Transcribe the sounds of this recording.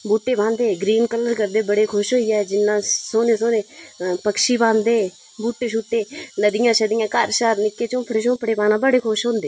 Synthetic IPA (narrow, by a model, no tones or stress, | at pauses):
buːʈːeːbʱãːnd̪eːɡɾiːnkələɾkəɾd̪eːbəɽekʰʊʃɦoːiaːd͡ʒɪnːãsoːneːsoːneːpəkʃiːbʱãːnd̪eː | buːʈːeːʃ̬uːʈːeːnəd̪ɪjãːʃəd̪ɪjãːkaːɾʃaːɾnɪkːet͡ʃõːpʰəɾeʃõːpʰəɽeːpaːnãbəɽeːkʰoʃɦõːnd̪eː